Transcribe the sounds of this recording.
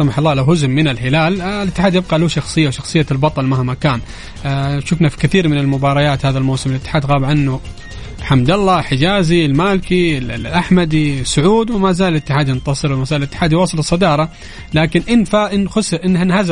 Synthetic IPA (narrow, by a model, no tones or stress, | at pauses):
sɑmɑħɑlˤːɑːlawɦʊzʊmːɪnɪlɦɪlaːllɪt̪ːɪ̥ħaːd̪jɪb̚qɑluʃɑxsˤɨjːawʃɑxsˤɨjːalbɑt̪ˤɑlmahmakaːn | ʃʊfnafi̥kɪθiːɾmɪnɪlmʊbɑːɾˤɑjaːt̪haːðalmawsɪmɪlɪt̪ːɪħaːd̪ɣaːbʕanːu | ħamd̪alˤːɑħɪd͡ʒaːzilmaːlɪkiʔaħmad̪isːʊʕuːd̪wɪmazaːlɪlɪt̪ːɪħaːd̪jɪnt̪ɑsˤɨɾwɪmazaːlɪt̪ːɪ̥ħaːd̪jwɑːsˤɨlɨsˤːɑd̪ɑːɾˤɑ | laːkɪnʔɪnfaʔɪnxʊsʔɪnːhanhaz